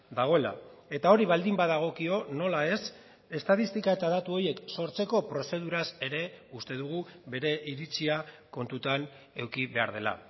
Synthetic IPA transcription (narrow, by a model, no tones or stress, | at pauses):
d̪aɣ̞o̞e̞la̰e̞t̪ao̞ɾiβald̪imbaðaɣ̞o̞kio̞no̞lae̞s | e̞st̪aðist̪ikae̞t̪aðat̪uo̞je̞kso̞ɾt͡se̞ko̞pɾo̞se̞ðuɾase̞ɾe̞ust̪e̞ðuɣ̞uβe̞ɾe̞ʔiɾit͡siako̞nt̪ut̪an | e̞wkiβe̞aɾð̞e̞la̰